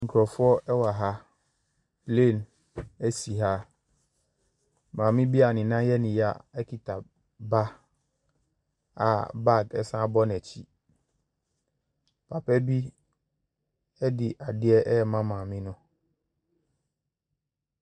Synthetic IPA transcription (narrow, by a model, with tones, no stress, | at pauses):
ŋ̩˨kʰɾɔ˨fʊ˦ɔ˦ʔɛ˦wa˨ɦa˦ | ple˦˨n | æ˦si˨ɦa˦ | mãː˨mɪ̃˦bi˦a˨nɪ̃˨nã˦jɛ˦nɪ̃˨ja̰˦˨ɛ˦kʰi˨tʰa˨ | ba˦ | a̰˨ba˦˨ɡɛ˦sã˦bɔ˦nɛ˨t͡ɕʰi˦ | pʰa˨pʰɛ˦bi˦ | ɛ˦dɪ˨ʔa˨dɪ˦ɛ˦ʔɛ˦ɛ˨mã˦mãː˨mɪ̃˦nʊ̃˦